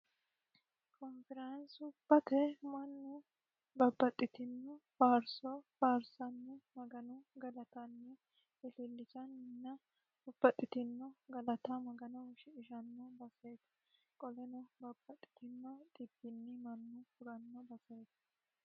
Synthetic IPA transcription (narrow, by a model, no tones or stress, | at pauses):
kʰɔmfɪɾɐnsʊbːɐt̪ɛmɐnːʊ | bɐbːɐt̪ʼːɪt̪ɪnːɔfaːɾsɔfaːɾsɐnːɛmɐɡɐnɔɡɐlɐt̪ɐnːɛ | ɪlɪlːɪt͡ʃɐnnːɐ | ʊbːɐt̪ʼːɪt̪ɪnːɔɡɐlɐt̪ɐmɐɡɐnɔʃɪːʃɐnːɔbɐsɐjt̪ɐ̥ | kʼɔlɛnɔbɐbːɐt̪ʼːɪ̥t̪ɪnːɔt̪ʼɪbːɪnːɪmɐnːʊfʊɾɐnːɔbɐsɐjt̪ɐ̥